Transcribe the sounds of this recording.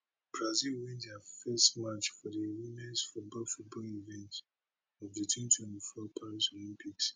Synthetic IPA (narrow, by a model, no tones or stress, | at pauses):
b̥ɹazilwɛ̃nthafɛstmat͡ʃfɔdiwimɛ̃nsfɔbofut̚bɔlivɛ̃nt | ɔvditʰwĩntʰwɛ̃ntifɔpʰaɹisolĩmpʰiks